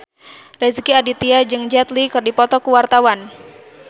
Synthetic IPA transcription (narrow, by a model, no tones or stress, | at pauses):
rɛzkiadit̪iad͡ʒɨŋd͡ʒat̪likɨrdipɔt̪ɔkuwart̪awan